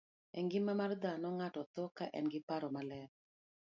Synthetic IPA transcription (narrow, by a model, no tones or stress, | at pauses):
ɛŋɡɪmamard̪anɔŋatɔt̪ɔkaʔɛ̰nɡɪpaɾɔmalɛɾ